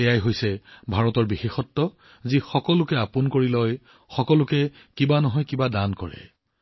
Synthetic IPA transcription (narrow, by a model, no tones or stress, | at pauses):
ɛjajɦojsɛbʱaɹɔtɔɹbixexɔtːɔ | zixɔkɔlʊkɛapunkoɹilɔj | xɔkɔlʊkɛ | kibanɔɦɔjkibadankɔɹɛ̰